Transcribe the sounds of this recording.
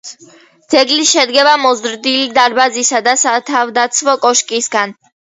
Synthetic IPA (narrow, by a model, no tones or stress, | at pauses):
d̪z̥ɛɡliʃɛd̪ɡɛbamɔzɾd̪ilid̪aɾbazisad̪asat̪ʰavd̪at̪sʰmɔkʼɔʃkʼisɡan